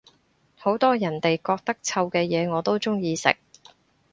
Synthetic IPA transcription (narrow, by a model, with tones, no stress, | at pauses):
ho˨˥wt̪ɔː˥jɐ˨˩nt̪e˨jkɔː˧k̚t̪ɐ˥k̚t͡sʰɐ˧wkɛː˧jɛː˨˧ŋɔː˨˧t̪o˥wt͡sʊ˥ŋjiː˧sɪ̰˨k̚